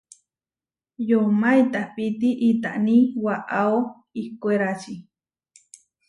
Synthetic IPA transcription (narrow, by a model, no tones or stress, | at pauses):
jomajt̪apit̪iʔit̪a̰ʔnĩwaʔao | ikoeɾat͡ʃi